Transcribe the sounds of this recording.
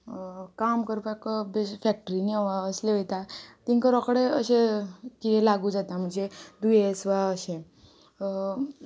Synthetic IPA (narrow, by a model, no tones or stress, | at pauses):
kamkəɾpakəbefɛk̚ʈɾineʋaəsleʋəjt̪at̪iŋkəɾɔkɽeəɕẽkielaɡud͡zat̪am̤əɳd͡zed̪ujesʋaəɕẽ